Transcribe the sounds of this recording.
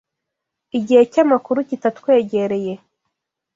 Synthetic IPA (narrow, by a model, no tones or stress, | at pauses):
iɟihe̞camakuɾucitatkwe̞ːɟe̞ɾe̞je̞